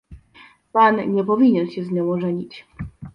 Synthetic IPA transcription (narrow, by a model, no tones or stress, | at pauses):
panɲɛpɔvʲiɲɛnɕɛzɲɔ̃w̃ɔʐɛɲit͡ɕ